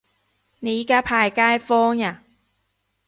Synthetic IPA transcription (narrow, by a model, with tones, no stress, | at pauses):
ne˨˦˧kaː˥pʰaː˨˩jkaː˥jfɔː˥ŋjaː˨˩